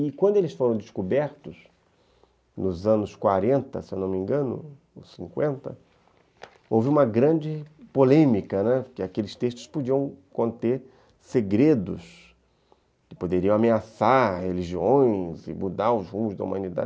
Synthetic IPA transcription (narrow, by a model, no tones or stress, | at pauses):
ɪkwɐ̃d̪ʊelɪsfoɾɐ̃w̃d̪ɪskubɛɾt̪ʊs | nʊzɐ̃nʊskwaɾẽnt̪ɐ̰sewnõmĩŋɡɐ̃nʊ̰ | sĩŋkwẽnt̪ɐ̰ | owvɪũmɐɡɾɐ̃d͡ʒɪpolẽmikɐnɛkɪakelɪst̪est̪ʊ̥spod͡ʒiɐ̃w̃kõnt̪eɾ | seɡɾed̪ʊ̰s | kɪ̥pod̪eɾiɐ̃w̃ameasaɾheliʒiõj̃zɪ̰mud̪aɾʊzhũmʊzd̪ɐṵmɐ̃nid̪a̰d͡ʒ